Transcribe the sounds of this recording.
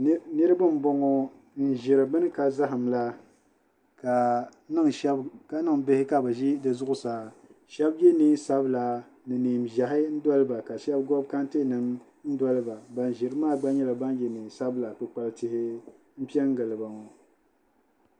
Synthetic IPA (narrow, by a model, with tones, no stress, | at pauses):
nɨ˦ɾɨ˦bɨ˦m̩˦bɔ˦ŋɔ˦ | n̩˨ʒɪ˨ɾɨ˨bɨ˦nɨ˦ka˨za˦ɦɨ˨mla˦ | ka˨ | nɨ˦ŋʃɛ˦bka˦nɨ˦ŋbɪ˦hɪ˦ka˦˨bɛ˨ʒi˦dɨ˨zʊ˦ʔʊ˨sa˨ʃɛ˦bjɛ˦ni˦sa˦bla˨ | nɨ˨ni˨mʒa˨ɦɪ˦n̩˦dɔ˦lɨ˦ba˨ka˨ʃɛ˦b̚ɡɔ˦b̚ka˦n˦te˦nɨ˨m | n̩˦dɔ˦lɨ˦ba˨ba˨nʒɪ˨ɾɨ˦maː˦˨ɡ͡ba˦ɲɛ˦la˨ba˦n˦jɛ˨ni˨sa˦bla˨kɨ˨k͡pa˨ltɪ˨hɪ˦ | m̩˦pi˦ɛ˦ŋ˦ɡɨ˨lɨ˨ba˨ŋɔ˨